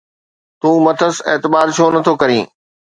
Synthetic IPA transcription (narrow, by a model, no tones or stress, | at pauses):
t̪ũːmɐt̪ʰəseːt̪ɪbaːɾt͡ɕʰoːnɐt̪ʰokɐɾĩː